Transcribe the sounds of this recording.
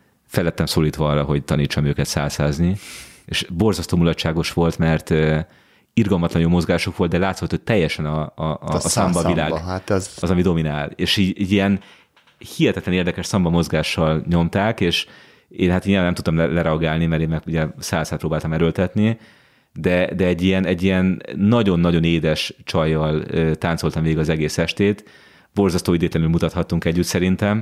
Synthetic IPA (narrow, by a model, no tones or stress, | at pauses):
fɛlːɛt̪ːɛmsoːliːt̪ʋɒɒrɒɦo̞ɟt̪ɒniːt͡ʃːɒmøːkɛt̪sa̰ːlsaːznieʃbo̞rzɒst̪oːmulɒtʃaːɡo̞ʃʋo̞lt̪mɛrt̪ø | irɡɒlmɒt̪lɒnjoːmo̞zɡaːʃokʋo̞ld̪d̪ɛlaːt̪sot̪ːot̪ːɛjːɛʃɛnɒ | sɒmbɒila̰ːɡɒzɒmid̪o̞minaːleːʃiːɟɛɟiɛn | hihɛt̪ɛt̪lɛneːrd̪ɛkɛʃsɒmbɒmo̞zɡaːʃːɒlɲo̞mt̪aːkeːʃ | eːnɦat̪iɲianɛmt̪ut̪ɒmlɛlɛɾɛɒɡaːlnimɛɾeːmmɛkuɟɛsaːsat̪proːbaːlt̪ɒmɛɾølt̪ɛt̪ni | d̪ɛd̪ɛɛɟːijɛnɛɟːijɛnːɒɟo̞nːɒɟo̞neːd̪ɛʃt͡ʃɒjːɒløːt̪aːnso̞lt̪ɒmveːɡiɡɒzɛɡeːsɛʃt̪eːt̪ | b̥o̞rzɒst̪oːid̪eːt̪lɛnylmut̪ɒt̪hɒt̪ːuŋkɛɟːyt̪sɛɾint̪ɛm